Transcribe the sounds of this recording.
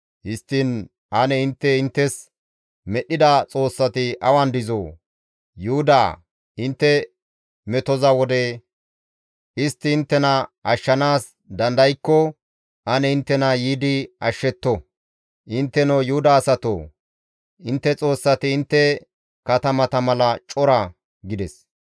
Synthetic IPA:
hɪst̪ːɪn | ʔɐnɛɪnt̪ːɛɪnt̪ːɛs | mɛɗːɪd̪ɐt͡sʼo̞ːsːɐt̪ɪʔɐwɐnd̪ɪzoː | jʊhʊd̪aː | ɪnt̪ːɛ | mɛt̪ɔzɐwɔd̪ɛ | ʔɪst̪ːɪːnt̪ːɛnɐʔɐʃːɐnaːs | d̪ɐnd̪ɐjkːɔ | ʔɐnɛɪnt̪ːɛnɐjiːd̪ɪʔɐʃːɛt̪ːɔ | ʔɪnt̪ːɛnoːjʊhʊd̪aːsɐt̪o̰ː | ʔɪnt̪ːɛt͡sʼo̞ːsːɐt̪ɪːnt̪ːɛ | kɐt̪ɐmɐt̪ɐmɐlɐt͡ʃʼɔɾɐ | ɡɪd̪ɛs

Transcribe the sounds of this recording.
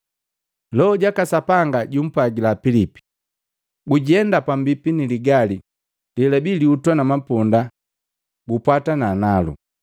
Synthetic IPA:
lɔɔɟakasapaŋɡaɟum̩paɡilapilipi̥ | ɡuɟɛndapambipiniliɡali | lilabiliutwanamapɔnda | ɡupwatanaːnalṵ

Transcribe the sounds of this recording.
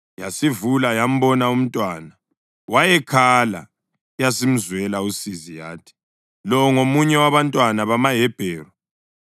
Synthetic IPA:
jasivulajam̩bɔnaum̩tʼwaːna | wajɛkʰala̰ | jasim̩zwɛlausizija̰ːtʰi̥ | lɔwŋomuɲɛwaβantʼwanaβamaɦɛb̥ʱɛːrɔ

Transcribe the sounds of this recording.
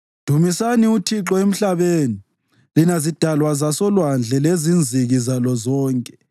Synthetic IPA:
d̥ʱumisaniutʰiǁɔem̩ɬaβeːni | linazid̥ʱalwazasɔlwand͡ɮʱɛlezind͡zʱiɣizalɔzɔːŋkʼɛ̥

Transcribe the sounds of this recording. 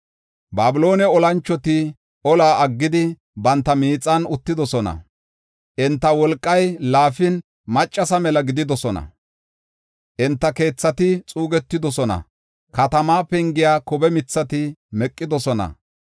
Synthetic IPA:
baːbɪlo̞ːnɛɔlɐnt͡ʃːɔt̪ɪ | ɔlaːʔɐɡːɪd̪ɪ | bɐnt̪ːɐmiːt͡sʼːɐnʊt̪ːɪd̪ɔsɔnɐ̰ | ʔɪnt̪ːɐwɔlkʼːɐjlaːfɪn | mɐt͡ʃʼːɐsɐmɛlɐɡɪd̪ɪd̪ɔsɔnɐ̰ | ʔɪnt̪ːɐke̞ːt͡sːɐt̪ɪt͡sʼuːɡɛt̪ːɪd̪ɔsɔnɐ̰ | kɐt̪ɐmaːpɛŋɡɪjaːkɔbɛmɪt͡sːɐt̪ɪmɛkʼːɪd̪ɔsɔnɐ̰

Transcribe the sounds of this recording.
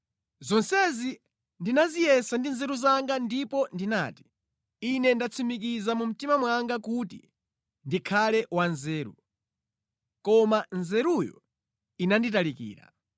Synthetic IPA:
zɔnsɛzi | ndinazijɛsandinzɛɾuzaŋɡandipɔndina̰ːti̥ | inɛndat͡sʰumikizamum̩timamwaŋɡakutḭ | ndikʰalɛwanzɛːɾṵ | kɔmanzɛɾujɔ̰ | inanditalikḭːɾa̰

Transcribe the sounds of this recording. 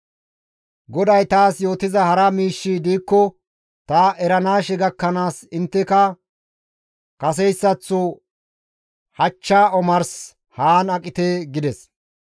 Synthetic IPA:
ɡɔd̪ɐjt̪aːsjo̞ːt̪ɪzɐhɐɾɐmiːʃːid̪iːkːɔ | t̪ɐɛɾɐnaːʃɛɡɐkːɐnaːsɪnt̪ːɛkɐ | kɐs̬ɛjsːɐt͡sːʊ | hɐt͡ʃːaːɔmɐɾs | haːnɐkʼɪt̪eːɡɪd̪ɛs

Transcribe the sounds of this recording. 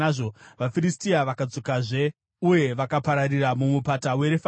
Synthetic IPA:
ʐoʋafiɾistiaʋakad͡zo̞kaʐe̞ | uje̞ʋakapaɾariramumupatawe̞ɾefa

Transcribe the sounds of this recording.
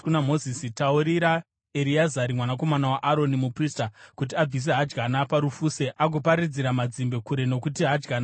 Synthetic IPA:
unamo̞zisitauɾiɾa | eɾiazaɾimwanako̞manawaʔaɾo̞nimupristakut̬iab͡vis̬e̞ɦad͡ʒɡanapaɾufuseʔaɡ̬opaɾid͡ziɾamad͡zimbe̞kuɾe̞no̞kutiɦad͡ʒɡana

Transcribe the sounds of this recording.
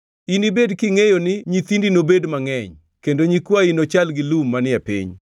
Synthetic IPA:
inibedkiŋejonɪɲit̪indinobedmaŋɛɲ | kendoɲikwainot͡ʃalɡɪlumːanɪapḭɲ

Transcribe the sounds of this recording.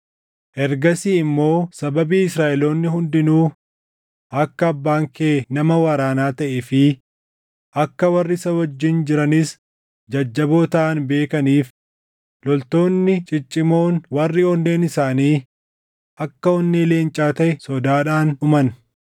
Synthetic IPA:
ʔɛɾɡɐsiːɪmːo̞ːsɐbɐbiːɪsɾaːʔɛlo̞ːnːɪɦʊnd̪ɪnuː | ʔɐkːɐːbːaːŋkeːnɐmɐwɐɾaːnaːt̪ɐʔɛfɪ | ʔɐkːɐwɐrːɪsɐhɔd͡ʒːɪnd͡ʒɪɾɐnɪs | d͡ʒɐd͡ʒːɐboːt̪ɐʔɐnbe̞ːkɐniːf | lɔlt̪o̞ːnːɪt͡ʃʼɪt͡ʃʼːɪmo̞ːnwɐrːɪɔnːe̞ːnɪsaːniː | ʔɐkːɐɔnːeːle̞ːnt͡ʃʼaːt̪ɐʔɛsɔd̪aːᶑaːnʊmɐn

